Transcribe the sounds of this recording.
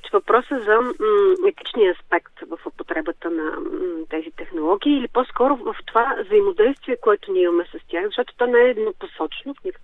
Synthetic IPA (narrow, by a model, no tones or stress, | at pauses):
t͡ʃvɐpɾɔsəzɐɛt̪i̥t͡ʃniəːspɛkt̪vəfopot̪ɾɛbət̪ənɐ̰t̪ɛzit̪ɛxnolˠɔɡʲiːlipɔskɔɾʊvəft̪ovavzəimod̪ɛjst̪viɛkoɛt̪ʊnʲiimɐmɛsɐst̪ʲjaxzɐʃt̪ɔt̪o̥t̪ɔnɛɛːd̪noposɔt͡ʃnofnʲik